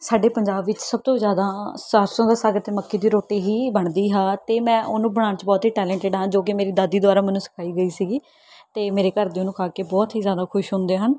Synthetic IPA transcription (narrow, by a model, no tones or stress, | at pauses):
saːɖeːpəɲd͡ʒaːbʋɪt͡ʃsəb̚t̪oːzjaːd̪aːsaɾsõːd̪aːsaːɡəɾt̪eːməkːiːd̪iːɾoːʈiːɦiːbəɳd̪iːɦaːt̪eːmɛ̃ːʔʊnũːbəɽ̃ãːnt͡ʃbɔːt̪ɦiːʈɛːlɛ̃ːɳʈɪɖɦãːd͡ʒoːk̬ɪmeːɾiːd̪aːd̪iːd̪ʋaːɾaːmɛːnũːsɪ̥kʰaːiːɡəiːsiːɡiː | t̪eːmeːɾeːkəɾd̪eːʊnũːkʰaːkeːbɔːt̪ɦiːzjaːd̪aːkʰʊʃɦʊ̃nd̪eːɦən